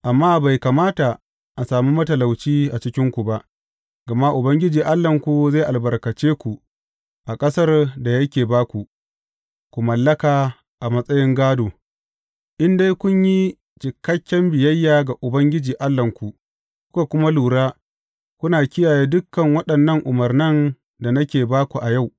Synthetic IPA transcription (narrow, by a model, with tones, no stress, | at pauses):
ʔa˨mːaː˦ba˨jka˨maː˦ta˨ | ʔa˨saː˨mu˦mɐ˦tɐ˨la˨wt͡ʃiː˦ʔa˨t͡ʃɪ˦kʲɪ˦ŋkʷu˨ba˦ʔ | ɡɐ˨ma˦ʔʊ˨bɐ˦ŋɡʲɪ˦d͡ʒiː˨ʔa˦lːɐ˨ŋkʷu˨za˦˨ʔa˨lbɐ˨rkɐ˨t͡ʃeː˦kʷu˨ | ʔa˨kʼɐ˦sɐ˦rda˨jɐ˦kʲeː˨baː˦kʷu˨ | kʷu˨mɐ˨lːɐ˦kaː˨ | ʔa˨mɐ˦sʼɐ˦jɪ˦ŋɡaː˦doː˨ | ʔɪ˦nda˦jkʷʊ˦ɲji˦ | t͡ʃɪ˨kɐ˦kʲːɛ˦mbɪ˨jɐ˦jːaː˨ɡa˨ʔʊ˨bɐ˦ŋɡʲɪ˦d͡ʒiː˨ʔa˦lːɐ˨ŋkʷu˨ʔ | kʷʊ̥˦ka˨kʷʊ˦ma˦luː˨ɽaː˦ | kʷʊ˦naː˨kʲɪ˦jaː˨jeː˦dʊ˦kːɐ˨ŋwɐ˦ɗɐ˨nːɐ˦ŋʔʊ˨mɐ˨rnɐ˦n | da˨nɐ˦kʲeː˨baː˦kʷu˨ʔa˨ja˦˨w